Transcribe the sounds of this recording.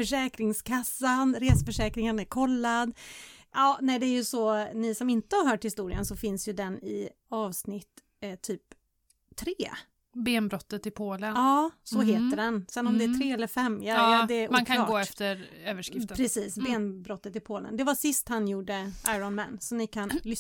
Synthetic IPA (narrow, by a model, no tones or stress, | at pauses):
fœʂɛːkɾɪŋskʰasːanɾeːsəfœʂɛːkɾɪŋənæɾkʰɔlːad̪ʔɑːnɛd̪ɛæɾjɵsɔnɪsɔmɪnt̪əhaɾɦœːʈhɪst̪uːɾɪə̰nsɔfɪnsjɵd̪ɛnɪ̰ | ɑːvsnɪt̪ː | t̪ʰːyːp̪ʰː | ɾeː | beːnbɾɔt̪ːət̪ɪpʰoːlənɑːsɔɦeːt̪əɖɛnsɛnːɔmd̪ɛæʈ̪ʰɾeːɛlːəɾfɛmːjad̪ɛumːaːnkʰaɑːɡːɛft̪əɾøːvəʂkɪfpʰɾɛsiːsbeːnbɾɔt̪ːət̪ɪpʰoːlə̰nd̪ɛvasɪst̪hanjuːɖəʔaɪɾɔnmɛ̰nːsɔmnɪkʰanlʏ